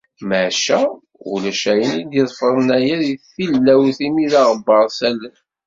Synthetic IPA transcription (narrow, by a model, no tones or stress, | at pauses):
mæʕʃæ | ṵlæʃæjənid̪jiðˤfəɾˤənæjæðθθilːæwθimiðɑʁəbːɑɾˤsælə